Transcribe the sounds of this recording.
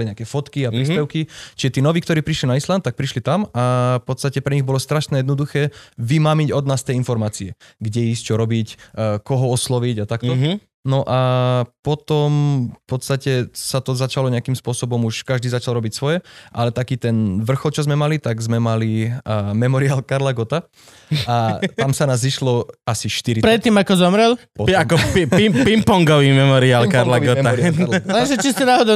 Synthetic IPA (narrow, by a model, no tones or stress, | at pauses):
liɲɛakɛfɔt̪kiapɾiːspɛʊkit͡ʃiʒɛt̪iːnɔʋiːkt̪ɔɾiːpɾiʃlinaisland̪̚t̪ak̚pɾiʃlit̪amafpɔt̪st̪acɛpɾɛɲiɣbɔlɔst̪ɾaʃnɛjɛd̪nɔd̪uxɛːʋimamiɟɔd̪naːst̪ɛjinfɔɾmaːt͡siɛɡɟɛiːst͡ʃɔɾɔbicːkɔɦɔɔslɔʋiɟat̪akt̪ɔ | nɔʔapɔt̪ɔmfpɔt̪st̪acɛsat̪ɔzat͡ʃalɔɲɛakiːmspʊɔsɔbɔmuʃkaʒd̪iːzat͡ʃalɾɔbicsʋɔjɛʔa̰lɛt̪akiːt̪ɛnʋr̩xɔlt͡ʃɔzmɛmalit̪aɡzmɛmalimɛmɔɾiaːlkaɾlaɡɔt̪a | at̪amsanaːziʃlɔasiʃt̪iɾipɾɛt̪ːiːmakɔzɔmɾɛlpɔamkɔpipimpɔŋɡɔʋiːmɛmɔɾiaːlkaɾlaɡɔt̪aɛʒɛt͡ʃisɛnaɦɔd̪ɔ